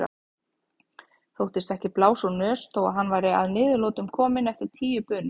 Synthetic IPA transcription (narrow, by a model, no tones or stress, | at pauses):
ɾa̰ | θowht̪ɪst̪ɛhcɪplaːwsɔnœːst̪ʰowa̰ðɦanːvaːjɾɪa̰ðnɪːðʏloːwt̪ʏmkʰɔːmɪnɛft̪ɪɾ̥t̪ʰiːjʏpœːnɪ